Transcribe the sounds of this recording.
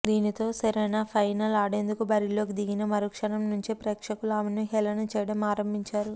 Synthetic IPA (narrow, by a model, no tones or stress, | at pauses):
d̪iːnit̪o̞ːsɐɾɐjnaːpʰɐjnɐlaːɽeːnd̪ukubɐɾilo̞ːkid̪iɡinɐmɐɾukʂɐnɐmnuɲt͡ʃepɾeːkʂɐkulaːmenuɦɛlɐnɐt͡ʃɛːjɽɐmaːɾɐmbʱiɲt͡ʃaːɾu